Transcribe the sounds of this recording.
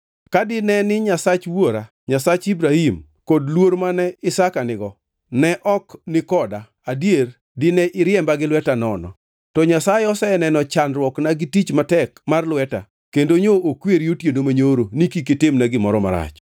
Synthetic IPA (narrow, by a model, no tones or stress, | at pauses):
kadɪnɛnɪɲasat͡ʃwoɾa | ɲasat͡ʃibɾahim | kodlwoɾmanɛɪsakanɪɡɔ | nɛʔɔknɪkɔda | adjer | dɪnɛʔɪɾjɛmbaɡɪlwɛtanɔnɔ̰ | tɔɲasajɛɔsɛnɛnɔt͡ʃanɾwɔknaɡɪtit͡ʃmatɛkmarlwɛta̰ | kendoɲoʔokweɾjotjendomaɲoɾonikiketɪmnaɡɪmɔɾɔma̰ɾa̰t͡ʃ